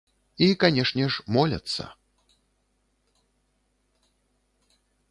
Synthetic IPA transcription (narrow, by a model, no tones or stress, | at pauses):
ikanʲɛʂnʲɛʂmɔlʲɐ̰t̪sːɐ̰